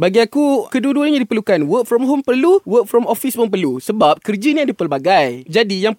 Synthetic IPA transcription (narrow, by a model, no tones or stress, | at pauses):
baɡiakukəduəduaɲadipəlukanwək̚fɾɔmɦompərluwək̚fɾɔmɔfisməmp̬ərlusəbap̚kərd͡ʒiniadipəlbaɡajd͡ʒadijaŋ